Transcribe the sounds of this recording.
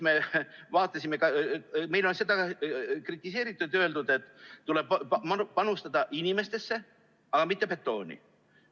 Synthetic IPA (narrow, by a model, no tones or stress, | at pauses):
mevɑːt̪ːˑɑsʲimekɑme̞jlo̞nse̞d̪ɑkrit̪ˑːise̞ːɾit̪ːˑud̪ø̞ld̪ud̪̥e̞t̪ˑːuleb̥mpɑnust̪ɑd̪̥ɑʔinime̞st̪e̞sːe̞ | ɑɡ̥ɑmit̪ːepe̞t̪ˑːo̞ːnʲḭ